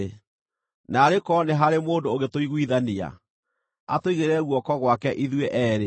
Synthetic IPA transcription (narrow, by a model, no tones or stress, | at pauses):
naːɾekɔneɦaɾemoːndoːɣetoiɣwiðania̰ | a̰toiɣeɾɛɣwɔkɔɣwakɛʔiðweʔɛːɾe